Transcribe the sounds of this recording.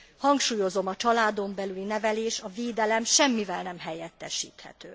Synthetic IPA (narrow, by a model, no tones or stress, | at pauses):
hɒŋkʃuːjo̞zo̞mɒt͡ʃɒlaːd̪o̞mbɛlylinɛvɛleːʃɒveːd̪ɛlɛmʃɛmːivɛlnɛmɦɛjɛt̪ːɛʃḭːt̪hɛ̰t̪øː